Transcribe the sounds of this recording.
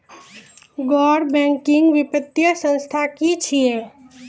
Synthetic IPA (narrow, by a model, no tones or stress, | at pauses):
ɡɔɽbɛ̃ŋkiŋɡʋipət̪ːjəsə̃nst̪ʰakit͡ʃʰije